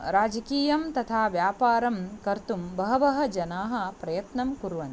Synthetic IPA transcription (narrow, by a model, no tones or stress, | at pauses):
ɾaːd͡ʒɐkiːjɐmt̪ɐt̪ʰaːʋjaːpaːɾɐmkɐɾt̪umbɐɦɐbɐɦɐ̆d͡ʒɐnaːɦɐ̆pɾɐjɐt̪nɐmkuɾʋɐn